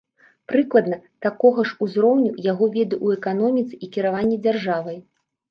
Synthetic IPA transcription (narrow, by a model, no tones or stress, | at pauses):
pɾɨklˠɐd̪nɐt̪akɔɣɐʂuzɾɔwnʲujaɣɔvʲɛd̪ɨʔuɛkanɔmʲit̪sɨikʲiɾavanʲːɛd͡zʲarʐavɐj